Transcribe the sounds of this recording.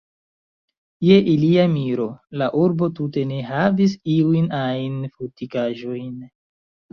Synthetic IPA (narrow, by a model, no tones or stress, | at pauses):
je̞ʔiliamiɾo̞laʔuɾbo̞tute̞ne̞ɦavis̬iujnajnfotikaʒo̞jn